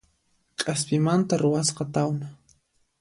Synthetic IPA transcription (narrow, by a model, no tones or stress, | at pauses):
qʲʼaspimant̪aruwasqat̪awna